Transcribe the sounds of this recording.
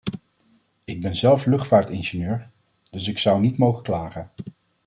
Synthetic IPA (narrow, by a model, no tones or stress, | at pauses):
ɪɡ̚bɛnzɛlˠflɵχtfaːɹtɪnʒɪnøːɹ | d̥ɵs̬ɪksʌwnitmowχəklaːχən